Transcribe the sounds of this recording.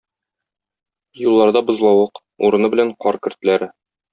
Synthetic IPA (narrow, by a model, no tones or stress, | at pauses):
julˠːɑɾd̪ɑbŏzlˠɑwɤq | uɾɤ̆nɤbɘ̆læɴqɒɾkɘ̆ɾt̪læɾɘ